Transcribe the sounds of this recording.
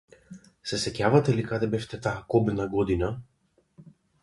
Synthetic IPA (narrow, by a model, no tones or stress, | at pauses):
sesɛcavɐt̪elikat̪ɛbɛft̪ɛt̪akobnɐɡɔd̪inɐ